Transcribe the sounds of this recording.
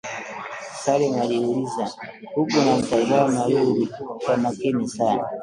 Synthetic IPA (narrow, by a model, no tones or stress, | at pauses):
salɛmaliuliza | hukunamitazaɔmajuɾikwamakinisana